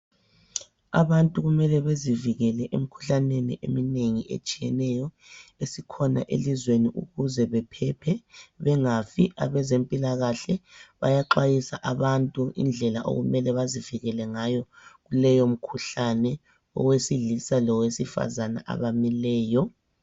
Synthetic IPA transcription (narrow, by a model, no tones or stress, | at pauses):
a̰βantʼuɣumɛlɛβeziviɣɛlɛʔem̩kʰu̥ɬanenḭʔḛmineŋiʔḛt͡ʃʼijɛnɛjɔ | esikʰɔna̰ʔḛlizweniʔuɣuzɛβɛpʰɛpʰɛβɛŋafiʔa̰βɛzempʼilaɣaɬɛβa̰jaǃajisaʔaβantʼuḭnd͡ɮʱɛlaʔo̰ɣumɛlɛβaziviɣɛlɛŋajɔɣulɛjom̩kʰuɬanɛ | ɔ̰wesiɮisalɔwesifa̰zana̰ʔa̰βamilɛːjɔ